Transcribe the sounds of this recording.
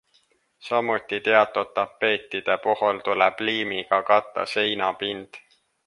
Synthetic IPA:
sɑmut̪ːit̪e̞ɑt̪ːˑodt̪ːɑpːe̞ːt̪ːˑid̪̥e̞puɦult̪ulɛb̥liːmiɡ̥ɑkɑt̪ˑːɑ̰se̞jnɑpind̪̥

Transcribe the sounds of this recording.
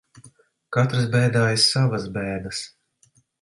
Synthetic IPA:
kat̪ɾɨsbɛːd̪aːjisavasbɛːd̪ɐs

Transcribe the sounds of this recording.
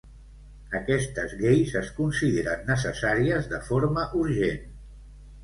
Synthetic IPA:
əkɛst̪əzɣejzəskunsiðeɾənːəsəsaɾiəzðəfoɾməʔuɾʒen

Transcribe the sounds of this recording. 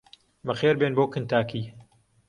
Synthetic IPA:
mɐxeːɾbeːnboːkɨnt̪ʰaːkʰiː

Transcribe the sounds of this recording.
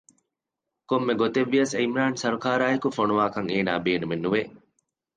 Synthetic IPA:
komːeɡot̪eʋːiɐseimɾaːnsɐɾukaːɾaːekufonuʋaːkɐŋeːna̰ːbeːnumenːuʋeʔ

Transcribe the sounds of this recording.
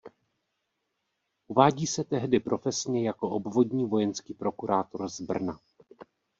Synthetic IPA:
ʔuvaːɟiːsɛt̪ɛɦdɪpɾʔo̞fɛsɲɛjako̞ʔobvo̞dɲiːvo̞jɛnskiːpɾo̞kuɾaːt̪oɾzbr̩na

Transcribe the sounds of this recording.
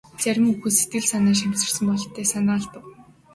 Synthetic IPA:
t͡sæɾʲɪ̆muxɘ̆set̪̚ɡɘ̆ɮsanaːʃ̬am̥t͡sɪ̆r̥sə̆mpɔɮɞt̪ʰːæːsanaːɮt̪ə̆w

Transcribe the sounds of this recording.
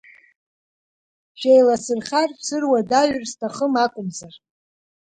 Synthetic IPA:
ʃᶣejlasɨrχʲarsɨrwadaɥrstʰaχəmakʷʼʊmzar

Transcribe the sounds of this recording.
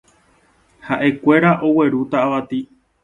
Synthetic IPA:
haʔe̞kʷe̞ɾaʔo̞we̞ɾut̪aaʋat̪i

